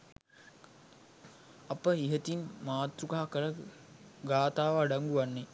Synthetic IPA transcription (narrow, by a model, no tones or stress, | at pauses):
apəiɦət̪inmaːt̪ɾukaɦakəɾə | ɡaːt̪aːʋəːɖaŋɡuʋanːe